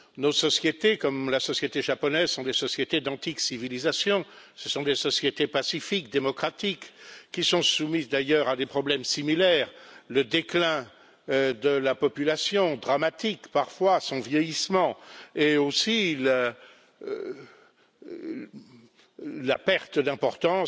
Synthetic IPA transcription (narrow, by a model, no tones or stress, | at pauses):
nosɔsjet̪ekɔmlasɔsjet̪eʒapɔnɛzsɔ̃d̪esɔsjet̪ed̪ɑ̃t̪iksivilizasjɔ̃ | səsɔ̃d̪esɔsjet̪epasifikd̪emɔkχat̪ikːisɔ̃sumizd̪ajœʁad̪epχɔblɛmsimilɛːʁləd̪eklɛ̃ | d̪əlapɔpylasjɔ̃d̪ʁamat̪ikpaʁfwasɔ̃vjɛjismɑ̃eosilə | la̰pɛʁt̪əd̪ɛ̃pɔʁt̪ɑ̃